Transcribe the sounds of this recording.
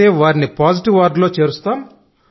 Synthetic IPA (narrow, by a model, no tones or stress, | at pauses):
eːʋaːɾinipaːd͡ʒiʈiʋʋaɾɖlo̞ːt͡ʃe̞ːɾust̪aːm